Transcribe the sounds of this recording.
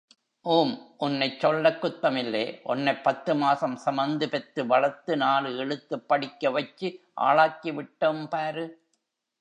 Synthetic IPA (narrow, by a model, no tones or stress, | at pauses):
ʔuːmʔʊnːɐɪt͡ʃːɔlːɐkːʊt̪ːɐmɪlːeːʔɔ̰nːɐɪpːɐt̪ːɯmaːsɐmsɐmɐnd̪ɯpɛt̪ːɯʋɐlɐɾt̪ːɯnaːlɯɛɻɯt̪ːɯpːɐɽɪkːɐʋɐt͡ʃːiʔa̰ːɭaːkːiʋɪʈːɐmpaːɾɯ